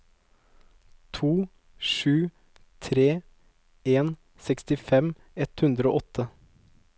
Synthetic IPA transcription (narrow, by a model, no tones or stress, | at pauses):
t̪ʰuː | ʃʉː | t̪ʰɾeː | eːn | sɛkst̪ɪfɛm | ɛt̪hʉnd̪ɾəoːʔɔt̪ʰə